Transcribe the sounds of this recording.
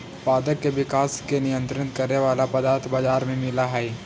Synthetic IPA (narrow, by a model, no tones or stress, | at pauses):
paːd̪əɾkːeʋɪkaːskenɪjə̃nt̪ɾənkɐɾneʋaːlapɐd̪aːɾt̪ʰbaːd͡ʒaːɾmẽmɪlaɦɛː